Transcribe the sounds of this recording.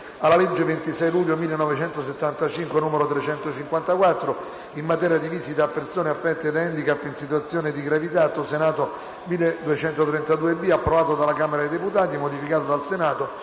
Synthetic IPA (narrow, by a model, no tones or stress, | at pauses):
alːaled͡ʒːevent̪isɛjluʎːomilːenːɔvet͡ʃɛnt̪oset̪ːant̪at͡ʃiŋkwenuːmeɾot̪ɾet͡ʃɛnt̪ot͡ʃiŋkwant̪akwat̪ːɾo | inmat̪ɛːɾjad̪iviːsit̪aːpːersoːneafːɛt̪ːed̪aɛnd̪ikapːinsit̪wat̪sːjoːned̪iɡɾavit̪at̪ːosenaːt̪o | milːed̪uet͡ʃɛnt̪ot̪ɾɛnt̪ad̪uːebiapːɾovaːt̪od̪alakameɾad̪ed̪eput̪aːt̪imod̪ifikaːt̪od̪alsenaːt̪o